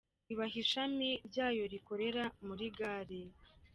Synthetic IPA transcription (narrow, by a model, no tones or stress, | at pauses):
iβaɦiʃamiɾɟaːjo̞ɾiko̞ɾe̞ɾamuɾiɡaːɾe